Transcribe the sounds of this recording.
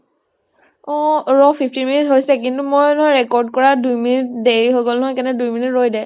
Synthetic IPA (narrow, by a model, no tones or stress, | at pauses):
ɔɹɔpʰiftinminitɦojsɛkintumojnɔɦɔɹɛkɔɹd̚kɔɹadujminit̚deɹiɦojɡolnɔɦɔjkɛnɛdujminitɹojdɛ